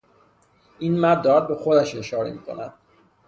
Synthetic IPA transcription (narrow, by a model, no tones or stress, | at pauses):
iːnmæɾd̪ɒːɾæd̪̚bexod̪æʃe̞ʃɒːɾḛmiːkʰo̞̰næd̪̥